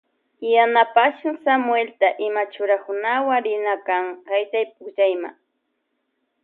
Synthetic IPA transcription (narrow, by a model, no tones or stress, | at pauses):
janapaʃʊŋsamʊelt̪aʔɪmat͡ʃʊɾakʊnawaŋɾɪnakaŋkajt̪ajp̚ʊkʒajma̰ŋ